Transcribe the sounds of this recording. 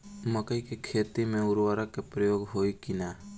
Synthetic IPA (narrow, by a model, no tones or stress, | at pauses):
məkəjkekʰeːt̪imẽʊɾʋaɾakepɾəjoːɡɦoːjkɪna